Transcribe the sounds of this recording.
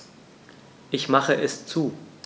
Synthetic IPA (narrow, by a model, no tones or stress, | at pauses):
ʔɪçmaχəʔɛst͡suː